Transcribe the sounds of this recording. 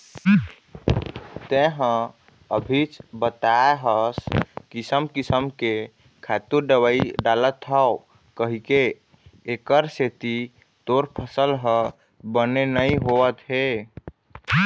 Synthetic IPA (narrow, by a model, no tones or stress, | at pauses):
t̪eɦə̃ | əbʱit͡ʃbət̪aeɦəskisəmkisəmke | kʰat̪uɾɖəwəiɖalət̪ɦəo | kəɦikeː | kəɾset̪i | t̪oɾpʰəsəlɦə | bənenəĩɦoət̪ɦe